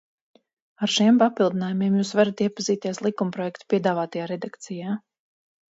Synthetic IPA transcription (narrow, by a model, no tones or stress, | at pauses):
aɾʃimpapilˠd̪inaːjumiɛmjuːsvaɾat̪iɛpaziːt̪iɛslˠikumpɾɔjɛkt̪u̥piɛd̪aːvaːt̪ajaːɾɛd̪akt̪sijaː